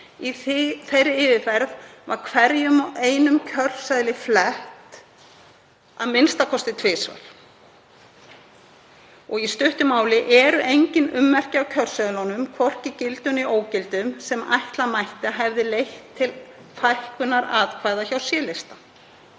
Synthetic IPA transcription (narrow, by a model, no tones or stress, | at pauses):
iθθejɾɪɪːvɪfɛɾðvaɾkʰvɛɾjʏmeːjnʏmcʰœr̥saðlɪflɛht̪ | aðmɪnst̪akʰɔst̪ɪt̪ʰvɪːsva̰l̥ | ɔɣist̪ʏht̪ʏmaːwlɪʔɛɾʏʔejɲcɪnʏmːɛr̥cɪawcʰœr̥saðlɔnʏmkʰvɔr̥cɪcɪlt̪ʏnioːwcɪlt̪ʏmsɛmajht̪lamajht̪ɪaɦɛvðɪlejht̪ʰːɪlfʰajhkʏnaɾaðkʰvajðaçawsjɛːlest̪a